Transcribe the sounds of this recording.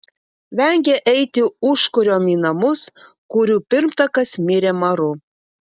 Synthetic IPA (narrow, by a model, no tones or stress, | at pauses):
ʋʲæŋʲɡʲeʔɛɪt̪ʲɪuʃkʊɾʲoːmʲinɐmʊs | kuɾʲuːpʲɪɾmt̪ɐkɐsmʲɪɾʲeːmɐɾʊ